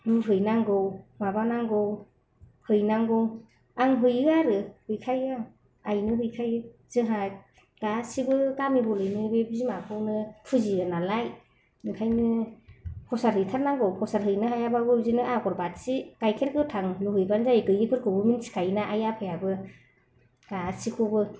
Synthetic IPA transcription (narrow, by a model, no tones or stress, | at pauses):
nɯɦɯjnaŋɡɔwmabanaŋɡɔw | hɯjnaŋɡɔw | aŋɦɯjɯaɾɯhɯjkʰaja | ajnɯɦɯjkʰajz̥ɯɦa | ɡ̥asibɯkamibɔlɯjnibebizimakʰɯwnɯpʰuziɯnalaj | ɯŋkʰajnɯ | pʰɔsaɾɦɯjtʰaɾnaŋɡɔwkʰɔsaɾɦɯjnɯɦajabaɡɯzinɯʔaɡɔɾbat̚sikajkʰeɾkɯtʰaŋluɦɯjbanzajɡɯjɯkʰɯɾkʰɯbɯminsi̥kʰajnaʔajapʰɯjabɯ | ɡ̥asikʰubɯ